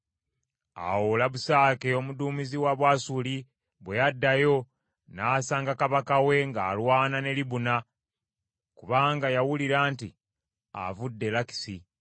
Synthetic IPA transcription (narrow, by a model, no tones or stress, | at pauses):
a̰wolaβusaːkeo̞muduːmiziwaβwaːsuli | βwejadːajo̞ | naːsaːŋɡakaβakawe̞ŋɡaːlwaːnane̞liβuna | kuβaːŋɡajawuliɾaːntḭ | a̰vudːe̞laki̥si